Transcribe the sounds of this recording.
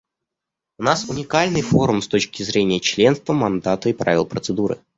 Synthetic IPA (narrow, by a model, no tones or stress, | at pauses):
ʊnasʊnʲɪkalʲnɨjfo̞ɾʊmst̪o̞t͡ɕkʲɪzɾʲenʲɪjət͡ɕlʲe̞nst̪vəmɐnd̪at̪əipɾa̰vʲɪ̰lˠpɾət̪sɨd̪uɾɨ̰